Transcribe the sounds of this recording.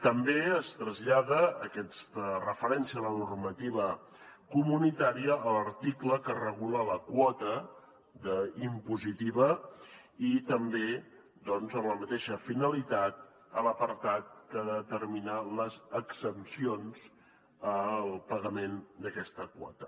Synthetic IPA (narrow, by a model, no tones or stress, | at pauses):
t̪əmbeəst̪ɾəzʎaɣəːkɛst̪ərəfəɾɛnsiələnurmət̪iβə | kumunit̪aɾiəːləɾt̪ikləkərəɣ̞ulələkwɔt̪ə | d̪əimpuzit̪iβə | it̪əmbe | d̪ɔnzəmləmət̪eʃəfinəlit̪at̪̚ | ələpəɾt̪at̪̚kəðət̪əɾminələzəksəpsionz | əlˠpəɣəmend̪əkɛst̪əkwɔ̰t̪ə